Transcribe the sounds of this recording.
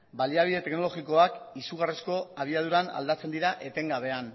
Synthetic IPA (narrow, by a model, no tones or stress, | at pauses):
baliaβ̞iðe̞t̪e̞kno̞lo̞ɣiko̞akisuɣ̞aresko̞aβ̞iað̞uɾana̰ld̪at͡se̞nd̪iɾaʔe̞t̪e̞ŋɡaβ̞e̞an